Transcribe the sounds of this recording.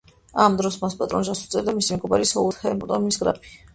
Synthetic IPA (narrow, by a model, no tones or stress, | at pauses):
amd̪ɾɔsmaspʼat̪ʼɾɔ̰nʒasut̪sʼɛɾd̪amisimɛɡɔbaɾisɔut̪χɛmɔt̪ʼɔmisɡɾa̰pʰi̥